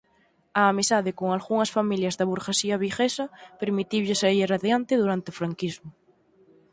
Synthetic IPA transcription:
aːmisaðekoŋalɣuŋɐsfamiljɐzðɐβuɾɣesiɐβixesɐpeɾmit̪iwʎɪsaiɾeraðjant̪ɪðuɾant̪eofɾaŋkizmʊ

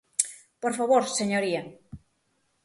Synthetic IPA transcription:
poɾfaβoɾseɲoɾia

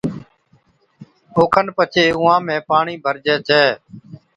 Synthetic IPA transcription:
oːkʰənpət͡ʃʰeːʊːãːmẽːpaːɳiːbʱəɾd͡ʒɛːt͡ʃʰɛː

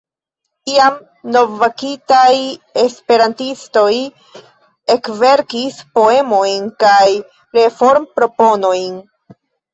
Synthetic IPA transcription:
iam | no̞vːakitaje̞spe̞ɾantisto̞j | e̞kve̞ɾkispo̞e̞mo̞jnkaj | ɾe̞fo̞ɾmpɾo̞po̞no̞jn

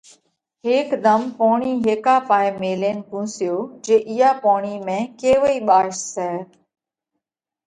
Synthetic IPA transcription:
ɦeːkd̪əmpoːɳiːɦeːkaːpaːeːmeːleːnkũːsɪjoːd͡ʒeːʔɪjaːpoːɳiːmẽːkeːʋoiːɓaːʃsɛː

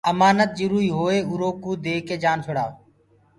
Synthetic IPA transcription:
əmaːnət̪̚d͡ʒʊɾuːiːɦoːeːʊɾoːkuːd̪eːkeːd͡ʒaːnsʰʊɽaː

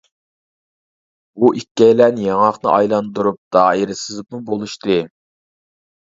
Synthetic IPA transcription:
uʔikʲːɛjlɛnjɑŋɑχnɨ̰ʔɑjlˠɑnd̪uɾup̚d̪̥ɑːiɾɪsɨzɨpmubolˠuʃt̪ɨ

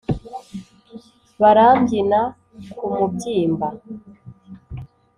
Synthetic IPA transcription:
βaɾaːmɟina | kumubɟiːmba

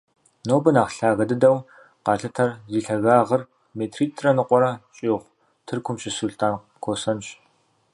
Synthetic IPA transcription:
noːbɨnaːχɬaːɣɐdɨdɐw | qɑːɬɐtʰɐrziːɬɐɣaːʁɐr | meːtʰriːtʰrɐnɨqʷɔɾɐɕʼiːʁʷ | tʰɨrkʷʰʊmʃɪsuɮtʰaːn | kʷʰoːsɐnɕ

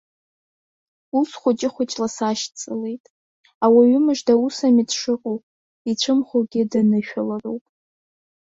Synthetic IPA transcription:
ulsχʷʊt͡ʃʼɪχʷʊt͡ʃʼlasaʃt͡sʼɨle̞jtʼ | awaɥʊmɨʒdausamidʰʂɨqʼowpʼ | it͡ɕʷʰɨmχʷoɡʲɪdanɨʃᶣalarowpʼ

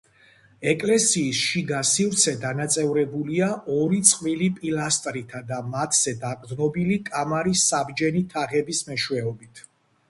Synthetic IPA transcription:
ɛkʼlɛsiːsʃiɡasivɾt̪sʰɛd̪anat̪sʼɛvɾɛbuliaʔɔɾit̪sʼqʼvilipʼilast̪ʼɾit̪ʰad̪amat̪ʰz̥ɛd̪akʼɾd̪nɔbilikʼamaɾisːabd͡ʒɛnit̪ʰaʁɛbismɛʃwɛɔbit̪ʰ

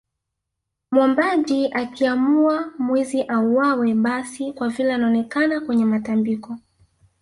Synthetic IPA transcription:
mwɔmbaʄiʔakiamuamwiziʔauwawɛɓasikwavilɛanaɔnɛkanakwɛɲɛmatambikɔ

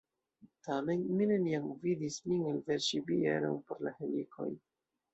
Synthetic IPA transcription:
tame̞nmine̞niamvidismiŋelveɾʃibiḛɾo̰npo̞ɾla̰hemikʰo̞̰j

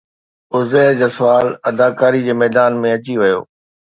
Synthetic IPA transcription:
ʊzeːd͡ʑaːsʋaːlɐd̪aːkaːɾid͡ʑeːmɛːd̪aːnmẽɐt͡ɕiʋɐjo̰ː

